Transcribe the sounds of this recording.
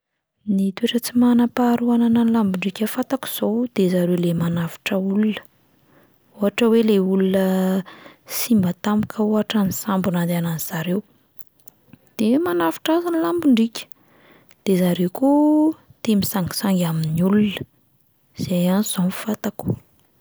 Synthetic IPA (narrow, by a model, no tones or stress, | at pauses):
nit̪ueʈ͡ʂət͡simanapaɾuanananlambuɳɖ͡ʐikʲəfat̪aku̥z̥owd̪̥ezaɾewlemanafi̥ʈ͡ʂəulunə̥ | uɦaʈ͡ʂəweleulunə | simbət̪amukəuɦaʈ͡ʂanisambunand̪ananiz̥aɾew | d̪̥emanafi̥ʈ͡ʂazanilambuɳɖ͡ʐikʲə̥ | d̪̥ezaɾewkut̪emisaŋɡi̥saŋɡaminiulunə | z̥ejaniz̥o̥fat̪aku̥